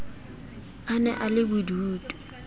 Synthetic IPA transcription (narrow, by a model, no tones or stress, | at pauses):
anɛ̰ʔalɪbuduːtʼu̥